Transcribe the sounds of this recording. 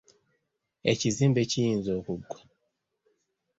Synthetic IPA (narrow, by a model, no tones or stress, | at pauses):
ɛt͡ʃizimbet͡ʃiinzɔkuɡwa